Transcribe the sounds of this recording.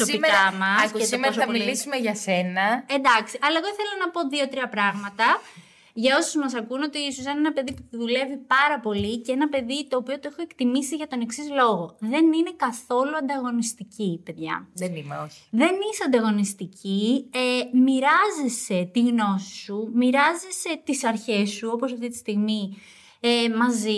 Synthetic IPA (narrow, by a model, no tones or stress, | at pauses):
sosiimeɐɐmmɐsketsimesɐmilisumeʝɐsenɐe̞nd̪ɐksiʔɐlɐeɣoθelonɐpo̞ðio̞t̪ɾiɐpɾɐɣmɐt̪ɐ | ʝɐo̞sozmɐs̬ɐkuːno̞t̪iisosenenɐpe̞ðipuθuðule̞vipɐɾɐpo̞liceenɐpe̞ðit̪o̞ːpio̞t̪oexo̞e̞kt̪imisiʝɐt̪o̞ne̞ksizlo̞ɣo̞ðe̞nine̞kɐθo̞luɐnd̪ɐɣo̞nist̪icipe̞ðʝɐ̰ðenimeoi̥ðe̞nisɐnd̪ɐɣo̞nist̪iciemiɾɐzese̞t̪iɣno̞si̥sumiɾɐzese̞t̪isɐɾçe̞sːuo̞pos̬ɐft̪it̪i̥st̪iɣmi | emɐzi